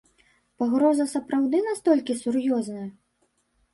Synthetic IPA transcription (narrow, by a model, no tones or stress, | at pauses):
paɣɾɔzɐsɐpɾawd̪ɨnast̪ɔlʲkʲisurjɔznɐjɐ